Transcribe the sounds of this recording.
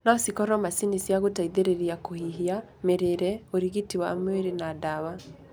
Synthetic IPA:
nasikɔɾɔmasinisjaɣotaiðeɾeɾiakohiɦia | meɾeɾɛoɾiɣitiwamweɾenadawa

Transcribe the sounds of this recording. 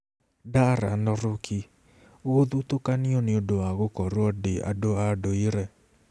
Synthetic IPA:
daɾa̰nɔɾʊkʰi | ooðutokanĩonĩodoaɣokɔɾuɔdea̰doadoiɾɛ

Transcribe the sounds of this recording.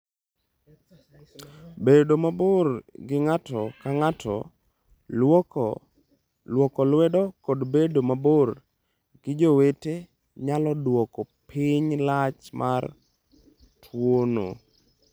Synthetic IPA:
bedomaborɡɪŋatɔkaŋatʰɔ̰ | lwɔkɔlwɛdɔkodbedomabor | ɡɪd͡ʒowete | ɲalɔdwɔkɔpʰiɲlat͡ʃmʔar | tʰwono̰

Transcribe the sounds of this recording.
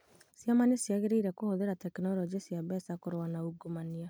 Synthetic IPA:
sjamanesjaɣeɾeiɾɛkohoðeɾatɛknɔlɔd͡ʒesjaβɛsakoɾwanauɡomania

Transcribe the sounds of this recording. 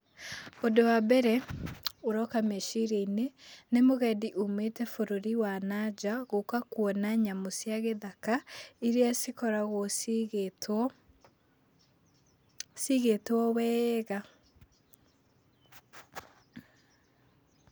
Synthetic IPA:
odowabɛɾɛoɾɔkameʃiɾeinenemoɣɛdiʔometɛfoɾoɾiwanad͡ʒaɣokakuɔnaɲamosjaɣeðakaiɾeasikɔɾaɣosɣ | siɣetwɔwɛɣa

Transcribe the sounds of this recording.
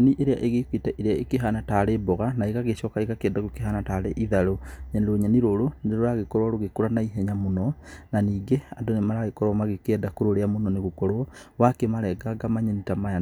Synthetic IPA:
ɲniʔeɾeaʔeɣekwitaʔeɾeaekeɦanataːɾebɔɣanaeɣaɣeɕɔkaeɣakeɛndaɣokeɦanataːɾeʔiðaɾoɲaniɾoɲaniɾoɾoneɾoɾaɣekɔɾwaɾoɣekoɾanaiɦɛɲamonɔnaniːɡeandonemaɾaɣekɔɾɔmaɣekɛdakoɾoɾeamonɔneɣokɔɾwɔwakemaɾɛɡaɡamaɲɛnitamaa

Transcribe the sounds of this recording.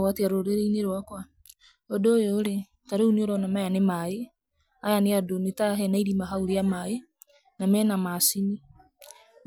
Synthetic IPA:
wateaɾoɾeɾeineɾwakwa | odoːjoːɾe | taɾeuneoɾɔnamajanemae | ajaneadonetaɦɛnaiɾimaɦauɾeamae | namɛnamasini

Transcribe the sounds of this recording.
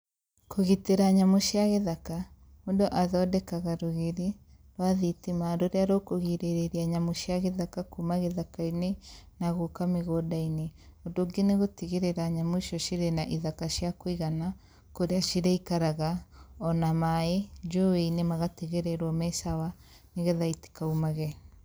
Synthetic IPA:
koɣiteɾaɲamuʃiaɣeðaka | modoʔaðɔdɛkaɣaɾoɣeɾi | ɾwaðitimadoɾeaɾoːkoɣiɾeɾeɾiaɲamuʃiaɣeðakakumaɣeðakainenaɣokameɣoːdaineodoɡeneɣotiɣeɾeɾaɲamuʃɔʃiɾenaʔiðakaʃjakoiɣana | koɾeaʃiɾeikaɾaɣaɔnamaed͡ʒoweinemaɣateɣeɾɛɾwɔmɛsawa | neɣeðaiti̥kaumaɣɛ

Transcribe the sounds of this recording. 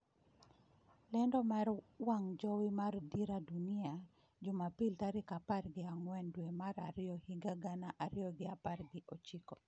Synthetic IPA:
lɛndɔmaɾwaŋd͡ʒɔwimardiɾadunɪa | d͡ʒʊmapiltaɾɪkaparɡɪaŋwɛndwɛmaɾaɾɪjɔhiɡaɡanaʔaɾɪɔɡɪaparɡɪʔɔt͡ʃikɔ

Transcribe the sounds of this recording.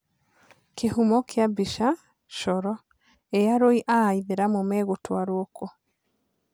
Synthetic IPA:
keɦumɔkʰeabiʃa | ʃɔɾɔ | eaɾoiʔaiðeɾamomɛɣotwaɾwɔkɔ

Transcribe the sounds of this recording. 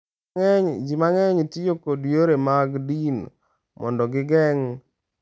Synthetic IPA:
ɛɲd͡ʒimaŋɛɲtijokodjoɾemaɡdin | mʔɔ̰ndɔɡɪɡɛŋ

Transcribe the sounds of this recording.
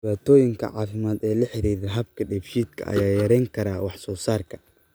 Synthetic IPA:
ɪβaːt̪ʰɔːjɪŋkʰɐ̰ʕɑːfɪmaːd̪ɛːlɐħɪɾiːɾɪɦɐbkʰɐɖɛbʃiːd̪kʰɐ̰ʔɐ̰jaːjɐɾɛŋkʰɐɾaːwɑħsɔːsaːrkʰɐ̥

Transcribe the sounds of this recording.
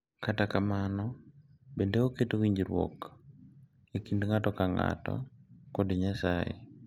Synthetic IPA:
katakamanɔ | bendeoketowiɲd͡ʒiɾwɔ̰k | ekindŋatɔkaŋa̰tɔ̰kɔdiɲasajḛ

